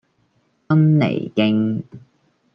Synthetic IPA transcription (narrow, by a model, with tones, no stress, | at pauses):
ɐ˥mnḛ˨˩jkɪ˧ŋ